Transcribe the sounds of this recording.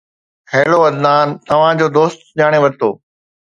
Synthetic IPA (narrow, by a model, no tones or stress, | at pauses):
hɛːloʋɐd̪naːnt̪ɐʋ̤ãd͡ʑoːd̪oːst̪ʄaːɽ̃eʋɐɾt̪ʰo̰ː